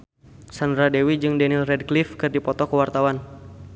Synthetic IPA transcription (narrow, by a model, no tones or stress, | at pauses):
sandɾadewid͡ʒɨŋdɛnɪlrɛd̚klifkɨrdipɔt̪ɔkəwart̪awan